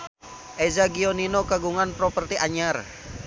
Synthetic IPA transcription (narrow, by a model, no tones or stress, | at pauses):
ʔɛzaɡioninokaɡuŋanpɾɔpərt̪iʔaɲar